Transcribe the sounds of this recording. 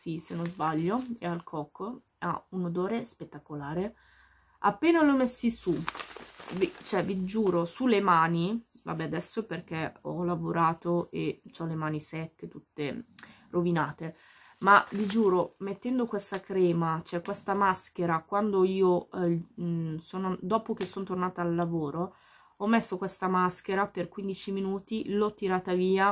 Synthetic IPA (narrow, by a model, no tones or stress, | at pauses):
sisenozbaʎːoealkʰɔkːo | a̰unod̪oːɾespet̪ːakolaːɾe | a̰pːeːnalɔmɛsːisu | vit͡ʃoɛvid͡ʒuːɾosulemaːni | va̰bɛad̪ɛsːoperk̟ɛɔlavoɾaːt̪oet͡ʃɔlːemaːnisɛkːet̪ut̪ːe | rovinaːt̪e | mavid͡ʒuːɾomet̪ːɛnd̪okwest̪akɾɛːmat͡ʃoɛkːwest̪amask̟eɾakwand̪oiːo | soːnod̪ɔːpok̟esːont̪ornaːt̪aːlːavoːɾo | ɔmːesːokwest̪amask̟eɾaperkwind̪it͡ʃiminuːt̪ilɔt̪ːiɾaːt̪aviːa